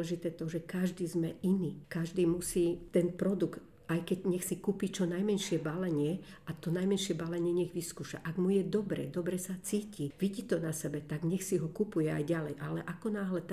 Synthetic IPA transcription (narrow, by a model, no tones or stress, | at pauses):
ɛʒit̪ɛːt̪ɔʒɛkaʒd̪iːzmɛʔiniːkaʒd̪iːmusiːt̪ɛnpɾɔd̪uɡt̪ | ajkɛɟɲɛxsikupit͡ʃɔnajmɛnʃɪɛbalɛɲɪɛʔat̪ɔnajmɛnʃɪɛbalɛɲɪɛɲɛɣʋiskuːʃa̰ʔaɡmujɛd̪ɔbɾɛ̰d̪ɔbɾɛsat͡siːciʋiɟit̪ɔnasɛbɛt̪aɡɲɛxsiɦɔkupujɛajɟalɛjʔalɛʔakɔnaːɦlɛt̪a